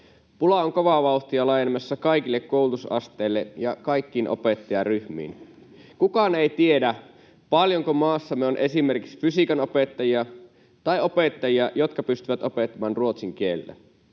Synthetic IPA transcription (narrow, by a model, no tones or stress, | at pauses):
pulɑoŋkoʋɑʋɑuxt̪iɑlɑjenemɑsːɑkɑikilːekːoulut̪usɑ̰st̪eilːejɑkɑjkːiːnʔo̰pet̪ːɑjɑryhmḭːn | kukɑneit̪ie̞dæ | pɑljoŋkomɑːsːɑmːeo̞nʔe̞sime̞rkiksfysikɑnopet̪ːɑjiɑ | t̪ɑio̞pet̪ːɑjiɑjo̞t̪kɑpyst̪yʋæt̪ʔo̞pet̪ːɑmɑːnruot̪siŋk̟ielːḛ